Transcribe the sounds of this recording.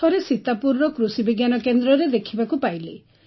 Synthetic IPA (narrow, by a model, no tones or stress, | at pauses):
ɔɾesit̪apuɾːɔkɾusibiɡjanɔkend̪ɾɔɾed̪ekʰibakupajle